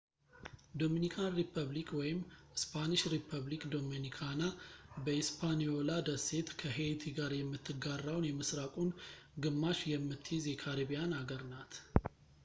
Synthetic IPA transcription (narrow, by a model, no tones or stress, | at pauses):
d̪o̞minikʰanɾipʰəβlikʰwɔjɪmɨspʰanɨʃɾipʰəβlikd̪o̞menikʰanabəispʰanijo̞lad̪əse̞t̪kʰəɦet̪ʰiɡaɾjɛmːɨt̪ʰːɨɡarːawnjɛməsɾakʼunɡɨmːaʃjɛmːɨt̪ʰːjizjɛkʰaɾiβijanaɡəɾnat̪ʰ